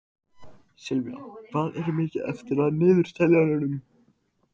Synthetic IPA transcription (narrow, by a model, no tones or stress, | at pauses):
sɪlvja̰kvaðɛɾʏmɪːcɪðɛ̰ft̪ɪɾaðnɪːðʏɾ̥st̪ʰɛljanʏnʏm